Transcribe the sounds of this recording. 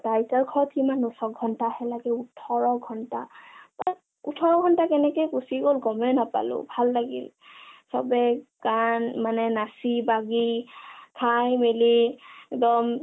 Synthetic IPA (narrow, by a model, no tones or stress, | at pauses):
tajsaɹkʰɔɹtkimanusɔɡʱɔntahɛlaɡɛutʰɔɹɔɡʱɔntapa | utʰɔɹɔɡʱɔntakɛnɛkejkusiɡolɡɔmɛnapa̰lʊ̰bʱalːaɡḭl | sɔbɛkanmanɛnasibaɡikʰajmeliɛkdɔm